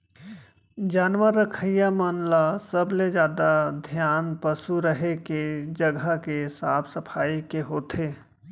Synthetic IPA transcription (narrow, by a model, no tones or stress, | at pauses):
d͡ʒaːnʋəɾːəkʰəjamənlasəbled͡ʒjaːd̪ad̪ʱjaːnpəsuɾəɦeked͡ʒəɡʱakesaːbʰsəpʰaːikeɦoːt̪ʰeː